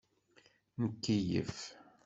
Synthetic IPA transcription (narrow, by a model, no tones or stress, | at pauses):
nəkːijə̰f